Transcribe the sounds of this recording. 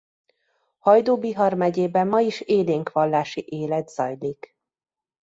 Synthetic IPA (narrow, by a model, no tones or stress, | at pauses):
hɒjd̪oːbiɦɒrmɛɟeːbɛmːɒiʃeːleːŋkʋɒlːaːʃiʔeːlɛd̪z̥ɒjlik